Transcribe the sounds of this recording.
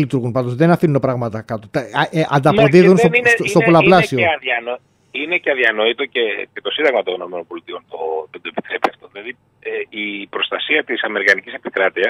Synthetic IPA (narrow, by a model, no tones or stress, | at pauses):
lit̪uɾɣunpɐnd̪ozðenɐfinunopɾɐɣmɐt̪ɐkɐt̪ot̪ɐʔʔɐnd̪ɐpo̞ðiððunsosost̪opolɐplɐsioeɐðiɐno | ineceɐðiɐno̞it̪o̞cecet̪osind̪ɐɣmɐt̪ono̞me̞nonpo̞lit̪io̞nt̪ot̪od̪oepi̥t̪ɾe̞piɐft̪o̞ðilɐði | eipɾo̞st̪ɐsiɐt̪isɐme̞ɾikɐnicise̞pikɾɐt̪iɐs